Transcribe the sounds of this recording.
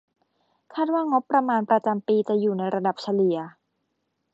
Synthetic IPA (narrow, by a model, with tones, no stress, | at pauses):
kʰaː˥˩t̪̚waː˥˩ŋo˦˥pːɾa˧maː˧npɾa˧t͡ɕa˧mpiː˧t͡ɕa˨˩juː˨˩na˧jɾa˧da˨˩p̚t͡ɕʰa˧li˨˩˦ɐ˦